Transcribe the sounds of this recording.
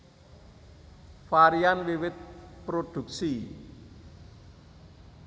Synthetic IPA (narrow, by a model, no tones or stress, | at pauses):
faɾianwiwɪt̪̚pɾod̪̥ṳk̚si